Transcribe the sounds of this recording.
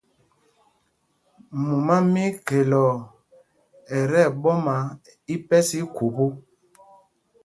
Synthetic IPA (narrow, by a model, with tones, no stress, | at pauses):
mu˨ma˦mi˦ke˨lɔ˨ | ɛ˨ɾɛ˦˨ɓɔ˦ma˨˦ | i˦pɛ˦si˦ku˨pu˦